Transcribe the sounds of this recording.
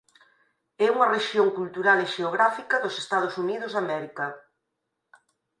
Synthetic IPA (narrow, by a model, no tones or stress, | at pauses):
ɛuŋɐreʃjoŋkult̪uɾaleʃeoɣɾafikɐðose̥st̪að̞ʊsuniðʊzðamɛɾikɐ